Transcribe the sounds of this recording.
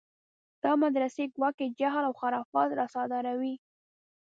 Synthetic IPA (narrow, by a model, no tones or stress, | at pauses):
d̪̥ɑmad̪ɾaseɡwɑked͡ʒaɦlawxaɾɑfɑt̪ɾɑsɑd̪ɑɾawi